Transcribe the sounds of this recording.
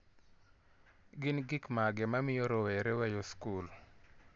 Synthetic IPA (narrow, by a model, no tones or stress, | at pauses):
ɡɪnɡɪkmaɡɛmamɪjoɾowɛɾɛwɛjoskul